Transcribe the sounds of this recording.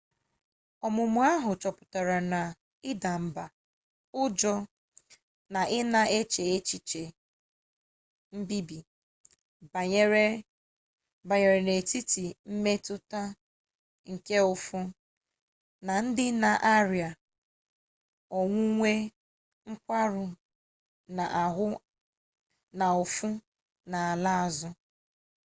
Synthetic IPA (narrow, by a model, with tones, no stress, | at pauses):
ɔ˨mʊ˨mʊ˨a˦ɦʊ˨t͡ʃɔ˨pʊ˨ta˨ɾa˨na˨ | ɪ˦da˨m̩˨ba˨ | ʊ˦d͡ʒɔ˦ | na˨ʔɪ˦na˦e˦t͡ʃe˨e˦t͡ʃi˨t͡ʃe˨ | m̩˦bi˦bi˨˦ | ɾe˦ | ba˨ɲe˨ɾe˨ne˨ti˦ti˨m̩˦me˦tʊ˦ta˦ | ŋ̩˨ke˦ʊ˦fʊ˦ | na˨n̩˦dɪ˦na˨ʔa˦ɾi˨a˨ | ɔ˨ŋʷʊ˦ŋʷe˦ | ŋ̩˦kʷa˦ɾʊ˨ | na˨ʔa˨ɦʊ˦ | na˨ʊ˨fʊ˦ | na˨a˨la˦a˨zʊ˦